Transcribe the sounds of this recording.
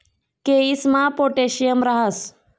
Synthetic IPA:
keismapoʈeɕijəmɾaɦəs

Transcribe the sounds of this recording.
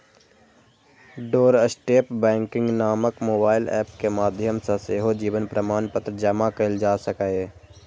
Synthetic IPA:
ɖoːɾəsʈeːpbɛ̃ːŋkɪ̃ŋɡnaːməkmoːbaːɪlɛ̰ːpkemaːd̪ʱjəmsãseːɦod͡ʒiːʋənpɾəmaːnpət̪ɾəd͡ʒɐmakɐɪld͡ʒaːsəkae

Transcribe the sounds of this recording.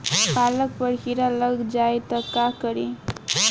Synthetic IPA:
palʌk̚pʌɽkʰiɾalʌɡd͡ʒajt̪ʌkːakʌɾi

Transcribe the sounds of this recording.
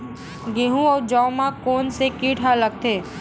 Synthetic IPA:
ɡeːɦũɔːɾd͡ʒɔmãkoːnsekiːʈʰalək̚t̪ʰeː

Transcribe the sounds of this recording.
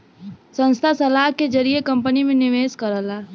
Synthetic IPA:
sə̃nst̪ʰasəlaɦked͡ʒəɾiekə̃mpənimẽnɪʋeːskəɾɦəla

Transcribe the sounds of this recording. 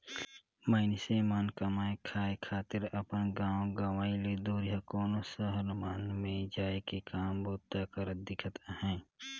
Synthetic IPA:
məɪnɪsemaːnkəmaːekʰaːekʰaːt̪ɪɾəpənɡãːõɡəʋaːiled̪uːɾɪjakɔːnosəɦəɾmaːnmẽd͡ʒaːekekaːmboːt̪akəɾəd̪ɪkʰət̪hɛ̃ː

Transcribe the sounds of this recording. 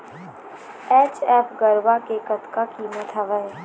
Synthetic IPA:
ɛːt͡ʃɛːpʰɡəɾʋakekət̪kakiːmət̪ʰaʋəe

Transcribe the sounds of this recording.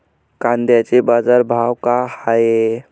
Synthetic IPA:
kand̪jat͡ʃebad͡ʒaɾbʱawkahae

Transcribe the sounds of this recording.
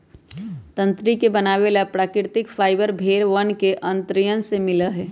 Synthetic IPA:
t̪ə̃nt̪ɾikebənaːʋelapɾaːkɾɪɾt̪ɪkfʰaːɪbəɾbʱeːɾʋənkeʔə̃nt̪ɾijənsemɪləɦɛː

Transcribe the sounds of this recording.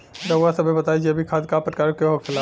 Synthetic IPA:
ɾɐwʋasɐbʱebɐt̪aid͡ʒieɐbʱikʰaːd̪kapɾəkaːɾkeɦokʰɪla

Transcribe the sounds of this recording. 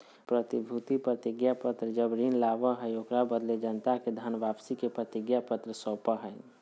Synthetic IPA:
pɾət̪ibʱut̪ipɾət̪ɪɡjapət̪ɾəd͡ʒəbɾiːnlaːʋəɦəjokɾabəd̪led͡ʒənt̪aked̪ʱanʋapsikepɾət̪ɪɡjapət̪ɾəsəːpəɦɛ

